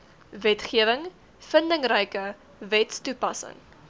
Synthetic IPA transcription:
vɛtχiəvəŋ | fəndəŋrɛjkə | vɛtstupɐsə̰ŋ

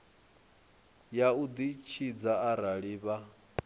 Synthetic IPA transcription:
jaud̪it͡ʃʰid͡zaaɾaɺiβa

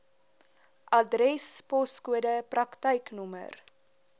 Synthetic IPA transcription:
ʔɐdrɛspɔskuədəprɐktəjknumə̰r

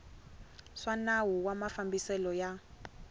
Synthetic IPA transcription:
ʂanawuwamafambisɛlɔja

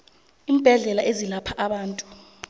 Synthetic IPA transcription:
iːm̩b̥ʱɛɮɛlaʔezilapʰaʔaɓaːntʼu̥

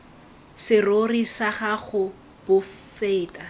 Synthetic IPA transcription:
sɪrorisaχaχʊ | b̥ʊfeːtʼa

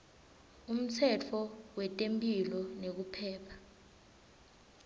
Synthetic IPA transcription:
um̩t͡sʰɛt͡fʰɔwɛtʼempʼilɔnek̬upʰɛːpʰḁ

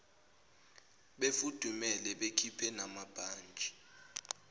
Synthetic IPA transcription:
ɓefud̥ʱumɛlɛɓekʰipʰɛnamab̥ʱaːnd͡ʒʱʼi̥

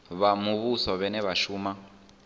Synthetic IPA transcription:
βamuβusɔβɛnɛβaʃuːma

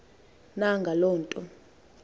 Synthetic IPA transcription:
naŋɡʱalɔːntʼɔ

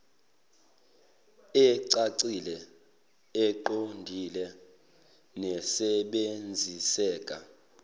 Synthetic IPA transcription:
ɛǀaǀilɛ | ɛǃondʱilɛ | nɛsɛɓend͡zʱisɛːk̬ʼa

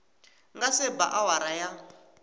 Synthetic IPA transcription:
ŋɡasɛba̰ʔawaɾaja

